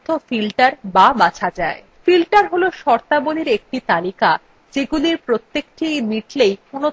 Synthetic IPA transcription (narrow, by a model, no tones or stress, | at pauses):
ofilʈaɾbabat͡ɕʰad͡ʑae | filʈaɾɦoloʃɔɾt̪aboliɾek̚ʈit̪alika | d͡ʑeɡuliɾpɾot̪ːekʈimiʈlejkono